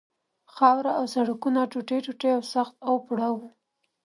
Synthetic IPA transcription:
xɑwɾaawsaɽakunaʈuʈeʈuʈeawsaxt̪awpuɽawu

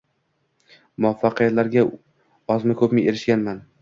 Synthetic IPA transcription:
mʊafːɑqʰɨjat̪laɾɡʲa | ɒzmɪkʰɵpmɪeɾɪʃɡʲanman

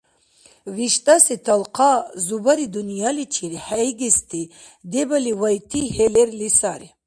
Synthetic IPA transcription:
viʃt̪ʼasit̪ʰalqʰazubaɾid̪unjalit͡ʃʰiɾiħajɡist̪ʰi | d̪ebaliwajt̪ʰiɦeleɾlisaɾi

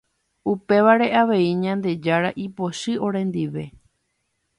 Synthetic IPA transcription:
upe̞ʋaɾe̞ʔaʋe̞iɲãnd̪e̞d͡ʒaɾaʔipo̞ʃɨo̞ɾẽ̞nd̪iʋe̞

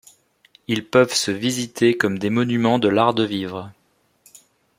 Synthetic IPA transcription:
ilpœvsəvizit̪ʰekɔmd̪emɔnymɑ̃d̪əlaʁd̪əvivʁ

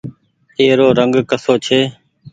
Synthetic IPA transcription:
eːɾoːɾəŋɡkəsoːt͡ʃʰeː

